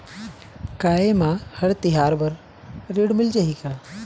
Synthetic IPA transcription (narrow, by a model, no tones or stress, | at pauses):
kaːemãhəɽt̪ɪɦaːɾbɐɾ | ɾeɽmɪld͡ʒaɦikaː